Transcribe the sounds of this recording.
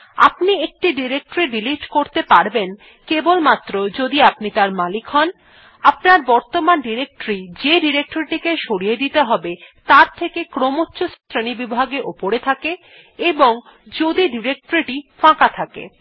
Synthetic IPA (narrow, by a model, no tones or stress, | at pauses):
a̰pniek̚ʈiɖiɾek̚ʈoɾiɖiliʈkoɾt̪epaɾben | kebolmat̪ːɾod͡ʑod̪iapnit̪aɾmalikɦɔn | apnaɾbɔɾt̪omanɖiɾek̚ʈoɾid͡ʑeɖiɾek̚ʈoɾiʈikeʃoɽijed̪it̪eɦɔbet̪aɾt̪ʰekekɾomotːɕost̪ɾenibibʱaɡeʔopoɾet̪ʰake | eboŋ | d͡ʑod̪iɖiɾek̚ʈoɾiʈifãkat̪ʰakḛ